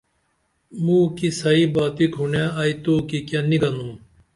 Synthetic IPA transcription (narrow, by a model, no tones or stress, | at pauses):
mũːkisɐibaːt̪ikʰunaːaːit̪oːkikjaniɡɐnũː